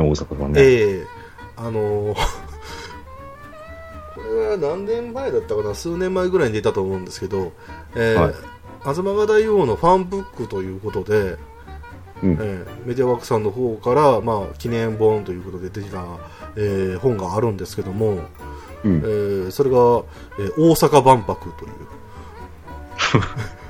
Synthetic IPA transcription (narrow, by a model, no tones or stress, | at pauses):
oːsakaa̰eː | ano̞ | kʰo̞ɾe̞βanãnnẽ̞mːaid̪at̪ːakanasɨːnẽ̞mːaiɡɯ̟ɾaiɲid̪e̞t̪at̪oːmo̞ɯ̃nd̪e̞sɨ̥ke̞d̪o̞ | eːa | azɨmaɡad̪aijoːno̞ɸãmbɯ̟kːɯt̪o̞jɯ̟ːko̞t̪o̞d̪e̞ | eme̞t̪eβakɯ̟̥sãnːo̞ɦo̞ːkaɾamaːkʲinẽ̞mbõ̞nt̪o̞jɯ̟ːko̞t̪o̞d̪e̞d̪ekʲina | eːhõ̞ŋɡaːɾɯ̟̃nd̪e̞sɨ̥ke̞d̪o̞mo̞ | eːso̞ɾe̞ɡa | eːʔoːsakabãmpakɯ̟t̪o̞j̰ɯ̟̰ː